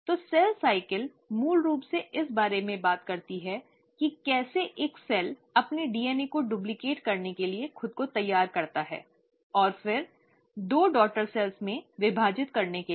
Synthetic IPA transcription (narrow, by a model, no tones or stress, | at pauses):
t̪oːsɛlsaːɪkəl | muːlɾuːpseʔɪsbaːɾemẽbaːt̪kɐɾt̪iɦɛ | kikɛːseʔeːksɛlɐpneɖiːɛːnekoɖublɪkeːʈkɐɾnekeliexʊd̪̚kot̪ɐjːaːɾkɐɾt̪aɦɛ̰ː | ɔːɾfɪɾ | d̪oːɖɔːk̚ʈəɾsɛlsmẽʋɪbʱaːd͡ʒɪt̪kɐɾneke